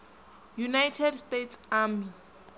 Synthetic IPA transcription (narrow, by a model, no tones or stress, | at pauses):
junajtʰɛdstetʰsami